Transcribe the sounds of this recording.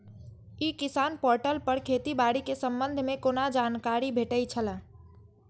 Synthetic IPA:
ikisanpoɾʈəlpəɾkʰet̪ibaɽikesəmbənd̪ʱmekonad͡ʒankaɾibʱeʈəjt͡ʃʰələ̃

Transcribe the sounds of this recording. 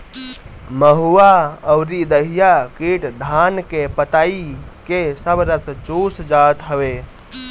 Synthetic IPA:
məɦuaəwɾid̪əɦijakiʈd̪ʱankepət̪aikesəbɾət̪t͡ʃusd͡ʒat̪ɦəbe

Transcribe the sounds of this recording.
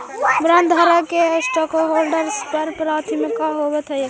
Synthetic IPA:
bɾənd̪ʱəɾakesʈɔkoɦolɖəɾspəɾpɾat̪ʰimikaɦobɛt̪ɦəj

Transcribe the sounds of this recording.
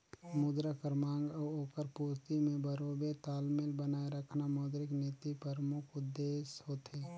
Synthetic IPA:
mʊd̪ɾəkəɾmãːŋɡoːkəɾpuːst̪imẽbəɾoːbet̪aːlmɪlbənaːeɾəkʰnamɔːd̪ɾɪkneːt̪ipəɾmʊkʰʊd̪ːeːsɦoːt̪eː

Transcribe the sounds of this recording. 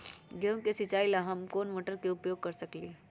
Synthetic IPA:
ɡẽŋkesɪt͡ʃaːilaɦɐmkoːnmoːʈəɾkeʊpjoːɡ̚kɐɾsɐkli

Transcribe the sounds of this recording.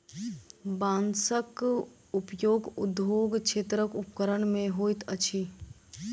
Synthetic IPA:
bãːnsək | ʊpjoːɡʊd̪oːɡt͡ʃʰet̪ɾəkʊpkəɾənmẽɦoːit̪ət͡ʃʰi

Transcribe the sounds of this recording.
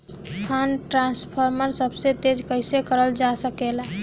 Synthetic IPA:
pʰanʈɾãspʰəɾməɾsəbset̪ed͡ʒkəɪsekəɾəld͡ʒasəkel

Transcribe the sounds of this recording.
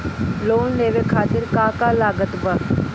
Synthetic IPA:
loːnleːʋekʰaːt̪ɪɾkaːkaːlaːɡət̪bə

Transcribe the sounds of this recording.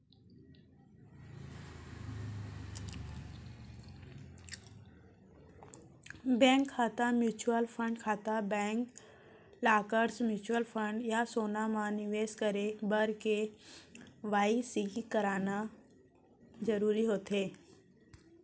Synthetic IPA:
bɛ̃ːŋkʰːaːt̪amjuːt͡ʃuəlpʰə̃ɳɖkʰaːt̪abɛ̃ːŋk | laːkəɾsmjuːt͡ʃuəlfʰə̃ɳɖjasoːnamãnɪʋeːskəɾebəɾke | ʋaːisikəɾaːna | d͡ʒəɾuːɾiɦoːt̪ɦeː

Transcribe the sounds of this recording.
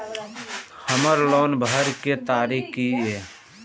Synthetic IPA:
həməɾloːnbʱəɾket̪aːɾikkie

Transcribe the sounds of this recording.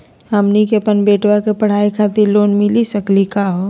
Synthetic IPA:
amnikepənbeːʈwakepəɽ̤aːikʰaːt̪iloːnmɪlisəklikaɦo

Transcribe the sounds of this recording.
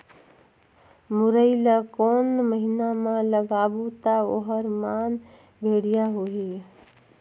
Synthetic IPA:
mʊɾəɪlakoːnməɦinamãləɡaːbut̪ao̰ɦəɾmaːn | bʱeːɽijaɦoɦe

